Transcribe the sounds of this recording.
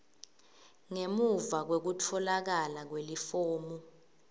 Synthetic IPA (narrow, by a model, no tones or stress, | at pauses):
ŋemuvak̬wek̬utʰɔlak̬alak̬welifoːmu